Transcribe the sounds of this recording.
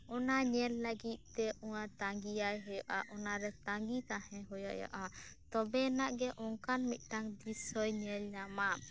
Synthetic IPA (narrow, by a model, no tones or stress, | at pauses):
ɔnaɲɛlləɡit̪̚ˀt̪ɛʔɔwat̪aŋɡiajɦɔjɔʔaʔɔnaɾɛt̪aŋɡit̪ahɛ̃ɦɔja̰ja̰ʔat̪ɔbɛnaʔɡɛʔɔŋkanmit̪̚ˀʈaŋd̪isɔjɲɛlɲama